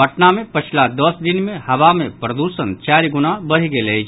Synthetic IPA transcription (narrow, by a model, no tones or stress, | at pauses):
əʈnamẽpɐt͡ʃʰlad̪ɐsd̪ɪnmẽhɐʋamẽpɾɐd̪uːsənt͡ʃaːɾiɡʊnabɐɽ̤iɡelei